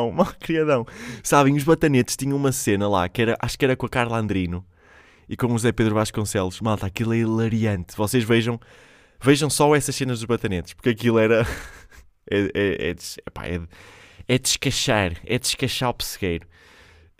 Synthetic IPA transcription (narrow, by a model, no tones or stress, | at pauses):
w̃makɾiɐðɐ̃w̃saβẽj̃uʒβɐt̪ɐnet̪ʃt̪iɲɐ̃w̃umɐsenɐlˠa̰kɛɾɐʔaʃu̥kɛɾɐkõɐkaɾlˠɐ̃nd̪ɾinu | ikõuzɛpeðɾuvaʃkõsɛlˠuʃmalˠt̪aɐkilˠɛlˠɐɾiɐ̃nt̪vɔseʒveʒɐ̃w̃ | veʒɐ̃w̃sɔɛsɐʃsenɐʒðuʒβɐt̪ɐnet̪ʃpuɾkɐkilˠɛɾɐ | ɛɛɛ̰ðʃɛpa̰ɛ̰ðɛd̪ɨʃkɐʃaɾɛ̰d̪ɨʃkɐʃaɾɔpɨ̥sɨɣejɾu